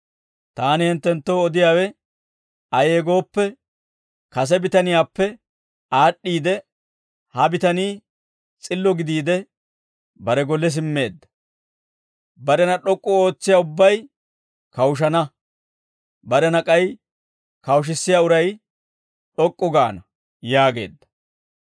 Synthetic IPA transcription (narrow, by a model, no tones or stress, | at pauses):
t̪aːnɪhɪnt̪ːɛnt̪ːoːɔd̪ɪjaːwɛ | ɐje̞ːɡo̞ːpːɛ | kɐs̬ɛbɪt̪ɐnɪjaːpːɛ | aːɗːiːd̪ɛ | hɐbɪt̪ɐniː | t͡sʼɪlːɔɡɪd̪iːd̪ɛ | bɐɾɛɡɔlːɛs̬ɪmːe̞ːd̪ːɐ̥ | bɐɾɛnɐɗɔkʼːɔo̞ːt͡sːɪjaːʊbːɐj | kɐwʃ̬ɐnɐ | bɐɾɛnɐkʼɐj | kɐwʃ̬ɪsːɪjaːʊɾɐj | ɗɔkʼːɔɡa̰ːnɐ | jaːɡe̞̰ːd̪ːɐ̥